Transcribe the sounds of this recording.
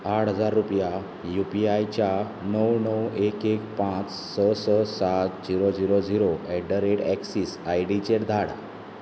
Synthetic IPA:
aʈʰɦəd͡zaɾːupja | jupiajt͡ɕja | nəwnəwekek̚pãt͡s | səsəsat̪d͡ʑiɾod͡ziɾod͡ziɾoɛɖəɾeʈɛksisajɖit͡ɕeʈd̪ʱaɽa̰

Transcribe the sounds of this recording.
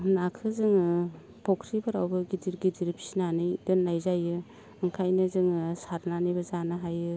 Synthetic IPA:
nakʰɯzɯŋɯ | pʰɔkʰɾibɯɾawbɯɡidiɾɡidiɾpʰi̥sinanɯjdɯnːajzajɯ | ɯŋkʰajnɯzɯŋɯsaɾnanijbɐzanɯɦajɯ

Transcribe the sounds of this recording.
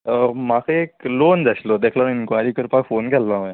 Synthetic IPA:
əmakʰeeklond͡zaɕlod̪ekʰlañinkʋajɾiːkəɾpakfonkɛlʋaɦjã

